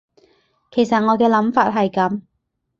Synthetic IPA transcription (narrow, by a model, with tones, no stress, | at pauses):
kʰe˨˩jsɐ˨t̚ŋɔː˨˧kɛː˧lɐ˨˥mfaː˧t̚ɦɐ˨jkɐ˨˥m